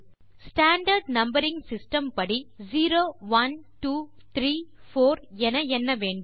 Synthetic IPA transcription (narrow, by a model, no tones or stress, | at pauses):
sʈaːɳɖɐɾɖnɐmbɐɾɪŋɡsɪsʈɐmpɐɽiziːɾoːʋɐnʈuːt̪ɾiːfoːɾɛnɐɛnːɐʋeːɳɖ